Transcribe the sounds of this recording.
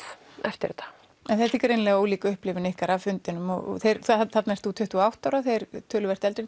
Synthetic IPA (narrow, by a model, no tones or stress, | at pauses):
ɛft̪ɪ̰ɾt̪ʰḁ | ɛnθɛt̪ikʏɾejnlɛːɣaoːwliːkʏhplɪvɪnɪhkaɾavfʏnt̪ɪnʏmɔɣɔ̰θejɾθaθaθat̪naɛst̪θut̪ʰʏht̪uawht̪awɾaθejɾ̥t̪ʰœːlʏɛr̥t̪ɛlt̪ɾɪ